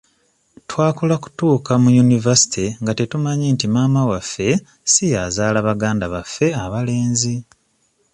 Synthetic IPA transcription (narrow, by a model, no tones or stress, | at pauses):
twaːkulaku̥tuːkamujunivasi̥tiŋɡate̞tumaɲiːntimaːmawafːe̞ | sijazaːlaβaɡaːndaβafːe̞aβale̞ːnzi